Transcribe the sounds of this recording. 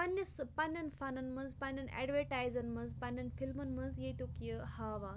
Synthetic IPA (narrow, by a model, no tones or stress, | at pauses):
pɐnːɐspɐnːɐnfɐnɐnmɐnzpɐnjɐnɛ̰ɖʋəɾʈaːjzɐnmɐnzpɐnːɐnfilmɐnmɐnzjet̪okjəhaːʋaːn